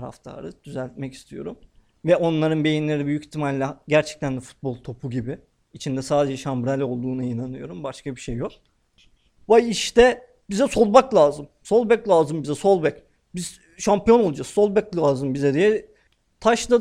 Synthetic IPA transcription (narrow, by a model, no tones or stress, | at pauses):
ɾa̰ft̪ʰa̰ɾɯd̪̥yzælʲt̪̚mɛci̥st̪ʰijo̞̰ɾum | vɛʔo̞nlˠaɾɯnbe̞jinlʲe̞ɾibyjyci̥t̪ʰimalʲlːʲɛɟæɾt͡ʃʰɛ̥k̚t̪ʰænd̪ɛfu̥t̪̚bo̞lˠt̪ʰo̞pʰuɟibɪ | it͡ʃʰind̪ɛsaːd̪e̞d͡ʒɛʃambɾalʲo̞lˠd̪uːnainanɯjo̞ɾumbaʃkabiʃejːo̞k̚ | vajiʃt̪ʰɛ | bizɛso̞lˠbaklˠaːzɯmso̞lˠbɛclʲˠaːzɯmbizɛso̞lˠbɛc | biz | ʃampijo̞nolˠad͡ʒaksso̞lˠbɛclʲaːzɯmbizɛd̪ijɛ | t̪ʰaʃla